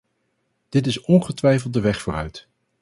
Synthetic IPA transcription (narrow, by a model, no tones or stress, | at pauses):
d̥ɪtɪsɔnχətʋɛjfəlˠdəʋɛχfʊːrœ̰ɥt